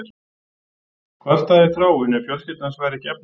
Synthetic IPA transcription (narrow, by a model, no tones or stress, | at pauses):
ɾ̥ | kʰvar̥t̪aðɪɾ̥θɾaːwʏnɛfjɔl̥scɪt̪nansvaːjɾɪcɛp̚n